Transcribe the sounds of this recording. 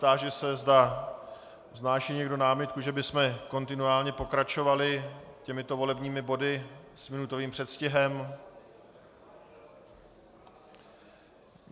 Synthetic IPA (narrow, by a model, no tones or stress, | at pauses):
t̪aːʒɛsɛzd̪a | vznaːʃiːɲɛɡdo̞naːmɪt̪̚kuʒɛbɪsmɛko̞nt̪ɪnuaːlɲɛpo̞kɾat͡ʃo̞valɪcɛmɪt̪o̞vo̞lɛbɲiːmɪbo̞dɪsmɪnut̪oviːmpr̥ɛt̪scɪɦɛm